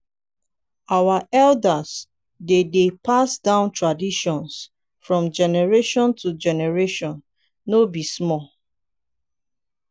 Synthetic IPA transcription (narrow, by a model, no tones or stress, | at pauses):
awaʔɛldas | dedepasdãʊ̃ntɹadiʃɔ̃ns | fɹɔ̃md͡ʒɛnɛɹeʃɔ̃ntʰud͡ʒɛnɛɹeʃɔ̃nː | obismɔl